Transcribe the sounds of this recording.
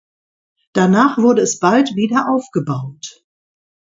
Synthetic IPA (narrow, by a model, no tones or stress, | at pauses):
d̥anaːχv̥ʊɐdəɛsb̥altv̥iːdɐʔaʊfɡ̥əbaʊt